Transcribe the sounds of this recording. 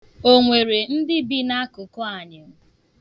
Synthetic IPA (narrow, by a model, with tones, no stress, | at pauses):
o˦ŋʷe˨ɾe˨n̩˦dɪ˦bi˦na˦kʊ˨kʊ˦a˨ɲɪ˨m̩˦